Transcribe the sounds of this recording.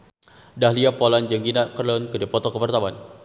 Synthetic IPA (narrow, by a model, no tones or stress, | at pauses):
dahliapɔland͡ʒəŋɡinakərlɔnkədipɔt̪ɔkəpərt̪awan